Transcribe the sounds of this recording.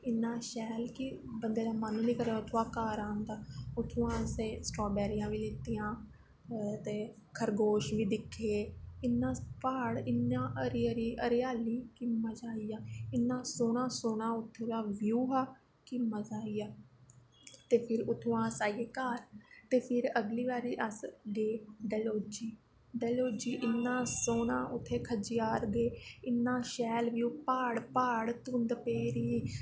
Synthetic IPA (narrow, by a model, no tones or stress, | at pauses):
ɪnːãːʃɛːlkibənd̪eːd̪aːmanũːniːkəɾaʊt̪ʰːoãːkaːɾãːnd̪aːʊt̪ʰːõːãːsẽːsʈɔːbɛːɾɪjãːʋiːlet̪ijãː | t̪eː | kʰəɾɡoːʃʋiːd̪ɪkʰːeːɪnːãːpaːɽɪnãːʔəɾɾiːʔəɾɪjaːliːkiːməd͡ʒaːiːaːɪnːãːsoːnãːsoːɳãːʊt̪ʰːoːd̪aːʋjuːɦaː | kɪmːaːd͡ʒaːiːjaː | t̪eːpʰɪɾʊt̪ʰːõːãːsaːjeːkaːɾt̪eːpʰɪɾəɡliːʋaːɾiːʔəsɡeːɖɛːloːd͡ʒiː | ɖɛːloːd͡ʒiːʔɪnːãːsoːnãːʔʊt̪ʰːeːkʰəd͡ʒɪjaːɾɡeːɪnːãːʃɛːlʋjuːpaːɽpaːɽt̪ũnd̪peːɾiː